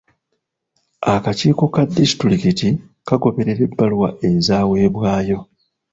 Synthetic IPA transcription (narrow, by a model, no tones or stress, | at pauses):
akaciːko̞kadːisi̥tulikiti | kaɡo̞βe̞ɾe̞ɾe̞bːalwaʔezaːwe̞ːβwaːjo̞